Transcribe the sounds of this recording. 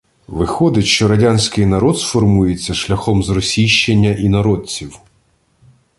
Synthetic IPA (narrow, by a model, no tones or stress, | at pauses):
ʋɪxɔd̪ɪtʲʃt͡ʃɔɾɐdʲanʲsʲkɪjnɐɾɔd̪sfɔrmujet͡sʲːɐʃlʲɐxɔmzrɔsʲiʃt͡ʃenʲːɐʔinɐɾɔd̪t͡sʲiw